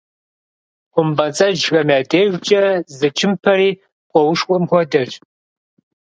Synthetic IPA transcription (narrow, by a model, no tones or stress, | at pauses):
qʷʊmbɐt͡sʼɐʒɣɐmaːdeːʒʷt͡ʃʼɐzɨt͡ʃʰɪmpʰɐɾiː | qʷʼɔwʊʂkʷʼɔmxʷɔdɐʒʼ